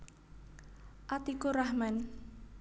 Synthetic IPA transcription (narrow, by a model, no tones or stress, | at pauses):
ʔat̪ikoɾahman